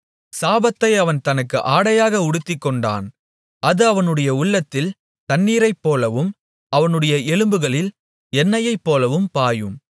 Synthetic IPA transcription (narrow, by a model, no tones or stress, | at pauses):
saːbɐt̪ːɐɪɐʋɐnt̪ɐnɯkːɯ̰ʔaːɽɐjaːɣɐʊɽɯt̪ːɪkːɔɳɖa̰ːn | ʔɐðɯɐʋɐnɯɽɐjɐʊɭːɐt̪ːɪl | t̪ɐnːiːɾɐɪpːoːlɐʋɯm | ɐʋɐnɯɽɐjɐɛlɯmbɯɣɐɭɪl | ɛnːɐjɐɪpːoːlɐʋɯmpaːjɯm